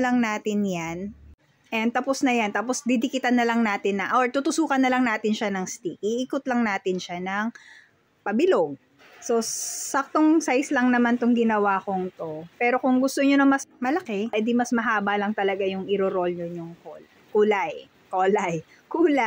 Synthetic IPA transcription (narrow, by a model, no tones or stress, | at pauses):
lɐŋnaːt̪ɪnjan | ʔɛn̚t̪ɐposnɐjant̪aːposd̪ɪd̪ɪkɪt̪ɐnːɐlɐŋnaːt̪ɪnːɐʔoɹt̪ut̪ʊsuːkɐnːɐlɐŋnaːt̪ɪnʃanɐŋst̪ikiʔiːkot̪lɐŋnaːt̪ɪnʃanɐŋ | pɐbɪloɡ̚ | so̞sɐk̚t̪oŋsajslɐŋnɐmant̪ʊŋɡɪnɐwaːkoŋt̪o̞pɛːɾo̞kʊŋɡʊst̪oɲonɐmɐsmɐlɐkɛjd̪imɐsmɐɦaːbɐlɐŋt̪ɐlɐɡajʊŋʔɪɾoɾo̞lɲonjʊŋkol | kuːlaj | koːlaj | kuːla